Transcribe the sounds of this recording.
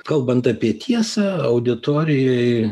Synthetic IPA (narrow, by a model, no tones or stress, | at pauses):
kɐlˠbɐnt̪ɑpʲiɛt̪ʲʰiɛsɑɐʊd̪ʲɪt̪oːɾʲɪjɛɪ